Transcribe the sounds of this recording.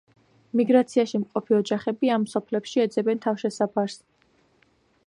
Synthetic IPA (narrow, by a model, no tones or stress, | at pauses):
miɡɾat̪sʰiaʃimqʼɔpʰiɔd͡ʒaχɛbiamːsɔpʰlɛpʃiɛd̪zɛbɛnt̪ʰafʃɛsapʰaɾs